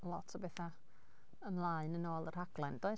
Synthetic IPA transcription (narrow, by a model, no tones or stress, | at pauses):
lˠɔtʰɔbɛθa | əmlˠaɨnənoːlˠər̥haɡ̥lˠɛnd̥oɨ